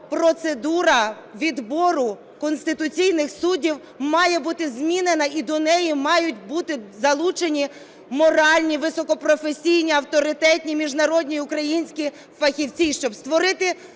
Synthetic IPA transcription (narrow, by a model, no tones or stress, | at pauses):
pɾɔt̪sed̪uɾɐ | ʋʲid̪bɔɾʊ | kɔnsʲt̪ɪt̪ʊt͡sʲijnɪxsudʲiw | mɑjɛbut̪ɪzmʲinenɐid̪ɔnɛjimɑjʊt̚ʲbut̪ɪzɐlˠut͡ʃenʲi | mɔɾɑlʲnʲiʋɪsɔkɔpɾɔfesʲijnʲiɐwt̪ɔɾɪt̪ɛtʲnʲimʲiʒnɐɾɔdʲnʲiʊkɾɐjinʲsʲkʲi | fɐxʲiwt͡sʲiʃt͡ʃɔbst̪ʋɔɾɪt̪ɪ